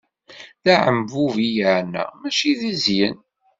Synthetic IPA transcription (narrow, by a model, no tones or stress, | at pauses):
ðæʕəmvuvijəʕnæ̰mæʃiðizjən